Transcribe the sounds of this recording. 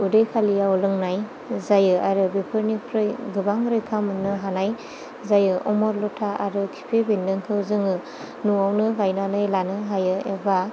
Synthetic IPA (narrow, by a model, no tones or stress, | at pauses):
udejkʰalijaɔlɯŋnaj | zajɯaɾɯbepʰɯɾnipʰɾɯjɡɯbaŋɾɯjkʰamɯnːɯɦanaj | zajɯʔɔmɔɾlɔtʰaʔa̰ɾɯkʰi̥pʰebindɯŋkʰɯwzɯŋɯ | nuawnɯɡajnanɯjlanɯɦajɯeba